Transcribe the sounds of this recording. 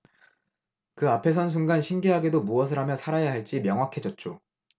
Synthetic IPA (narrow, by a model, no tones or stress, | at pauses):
kɯapʰe̞s̬ʰʌns̬ʰuŋɡanɕʰimɡeɦaɡe̞domuʌs̬ʰɯɾɦamjʌsʰaɾajaɦaɭt͡ɕ͈imjʌŋɦwakʰe̞d͡ʑʌt̚t͡ɕ͈o